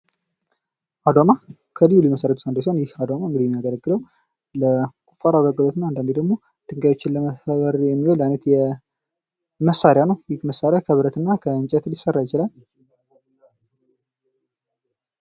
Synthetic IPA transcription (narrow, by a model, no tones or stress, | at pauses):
ʔad̪oma | kʰəlijuliməsəɾət̪ʰu̥sand̪os̬onjɪhad̪omaɨŋɡɨd̪ijɛmijaɡələɡːɨləw | ləkʼufaɾaɡaɡːɨlot̪ɨnaand̪and̪ed̪əɡmo̞ | t̪ʰɨŋɡajwo̞t͡ʃːɪnləməəβəɾjɛmːiholajnət̪jɛ | məsːaɾjanəwjɪhməsːaɾjakʰəβɨɾət̪ɨnːakʰəɨnt͡ʃʼɛt̪lisərːajɪt͡ʃɪlal